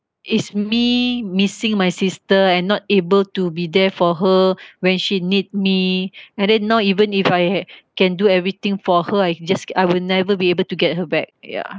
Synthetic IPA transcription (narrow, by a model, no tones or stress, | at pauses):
ʔitsmimisɪ̃ŋmajsistəɛ̃nːɔt̚ebəltubidɛfɔɦəwɛ̃nʃinit̚miɛ̃ndɛ̃nːaʊivə̃nifajkɛ̃nduɛvɹit̪ɪ̃ŋfɔhəajd͡ʒasajwilnɛvəbiebəltuɡɛt̚həbɛk̚ja̰